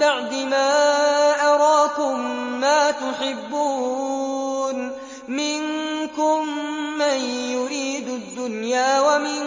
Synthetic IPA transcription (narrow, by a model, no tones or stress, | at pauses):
aʕd̪ɪmaːʔɑɾˤɑːkʊmːaːt̪ʊħɪbːuː | n | mɪnkʊmːanjʊɾiːd̪ʊd̪ːʊnjaːwamɪ